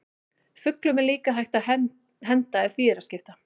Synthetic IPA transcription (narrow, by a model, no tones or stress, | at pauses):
fʏklʏmɛɾliːkaɦajht̪aðɛ | ɦɛnt̪aɛðθviːɛɾascɪft̪a